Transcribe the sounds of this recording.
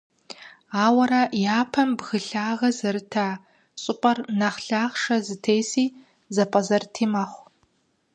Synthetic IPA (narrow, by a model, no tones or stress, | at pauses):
aːwɐɾɐjaːpʰɐmbɣɨɬaːʁɐzɐɾɨtʰaː | ɕʼɪqʷʼɐrnɐχɬaːʁʂɐzɨtʰeːsiː | zɐpʼɐzɐrtʰiːmɐχʷ